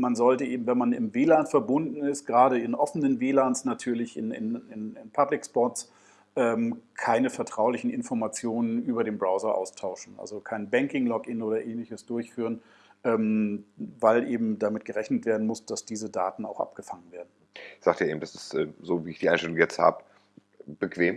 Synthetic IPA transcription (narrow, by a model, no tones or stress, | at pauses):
manzɔltəʔeːbm̩vɛnmanɪ̰mveːlaːnfɛɐbʊndn̩ɪst̚ɡ̥ʁaːɾəɪnʔɔfənənveːlaːnsnatʰyːɐlɪçɪ̰nɪ̰nɪnɪnpʰablɪkspɔts | ʔɛːmkʰaɪnəfɛɐtʁ̥aʊlɪçn̩ʔɪ̰nfɔɐmat͡sjoːnənʔyːbɐɾeːmbʁaʊzɐʔa̰ʊstʰaʊʃn̩ʔa̰lzokʰaɪnbɛŋkɪŋlɔkɪnoːɾɐʔeːnlɪçəsd̥ʊɐçfyːʁ̞ən | ʔɛːm | vaɪlʔeːbm̩damɪt̚ɡ̥əʁɛçnətv̥eːɐdn̩mʊsd̥asd̥iːzəda̰ːtn̩a̰ʊxʔa̰p̚ɡ̥əfaŋənveːɐdn̩ | z̥aːk̚tɛːeːm̩dasɪstʔɛːzoːviːɪçd̥iʔaɪnʃtɛlʊŋjɛt͡stha̰ːbə | b̥əkv̥eːm